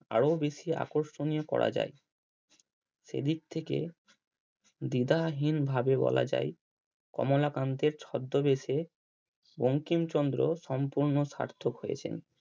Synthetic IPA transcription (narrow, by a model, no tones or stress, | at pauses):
a̰ɽobeʃia̰koɾʃoniokɔ̰ɾa̰d͡ʑa̰j | ʃḛd̪ik̚t̪ʰekḛ | d̪id̪ʱaɦinbʱabebɔ̰la̰d͡ʑa̰j | kɔ̰molakant̪eɾt͡ɕʰɔd̪ːobeʃe | boŋkimt͡ɕɔnd̪ɾoʃɔmpuɾnoʃa̰ɾt̪ʰokɦojḛt͡ɕʰḛn